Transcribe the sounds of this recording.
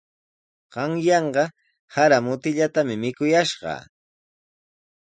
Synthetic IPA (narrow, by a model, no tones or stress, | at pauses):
ɢ̥ɑŋjɑɴɢɑ | haɾamʊt̪ɪʎat̪amɪmɪkʊjaʃɢɑ̰